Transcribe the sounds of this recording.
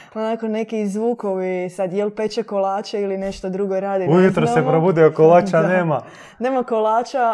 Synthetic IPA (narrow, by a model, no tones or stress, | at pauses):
onako̞ne̞kizʋuːko̞ʋisad̪jelˠpe̞t͡ʃekolˠaːt͡ʃeiline̞ʃt̪od̪ɾuɡo̞ɾaːd̪iujut̪ɾossepɾobud̪eokolˠaːt͡ʃaneːma | ne̞ːmakolˠaːt͡ʃa